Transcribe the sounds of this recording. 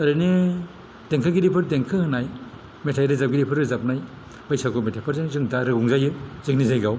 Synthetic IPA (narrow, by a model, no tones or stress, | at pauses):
ɐɾɯni | deŋkʰɯɡidipʰɯɾdeŋkʰɯhɯnaj | metʰajɾɯzap̚ɡiɾipʰɯɾɯzap̚naj | bajsakʰometʰapʰɯɾzɯŋzɯŋdaɾɯɡuŋzajɯzɯŋnizajɡaw